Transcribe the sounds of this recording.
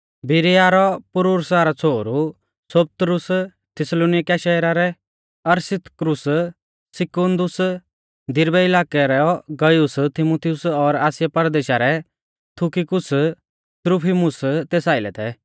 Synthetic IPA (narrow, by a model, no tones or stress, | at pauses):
bɪɾijaːɾɔpʊɾuɾsaɾɔt͡sʰoːɾu | sop̚t̪ɾʊs | t̪ʰɪsloːnɪkaʃɐɾaɾɛ | ɐɾsɪt̪ʰkɾʊs | sɪkond̪ʊs | d̪ɪɾbɛɪlaːkɛɾɛɔɡɐjʊst̪ʰɪmut̪ʰiʊsɔɾaːsjapɐɾd̪eːʃaɾɛ | t̪ʰʊkikʊs | t̪ɾupʰimʊst̪eːsaːɪlɛ̰t̪ʰɛ